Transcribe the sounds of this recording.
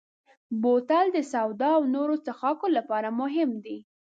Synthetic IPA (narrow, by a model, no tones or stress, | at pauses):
bot̪ald̪əsawd̪ɑːwnoɾosaxɑkolapɑɾamʊɦɪmd̪i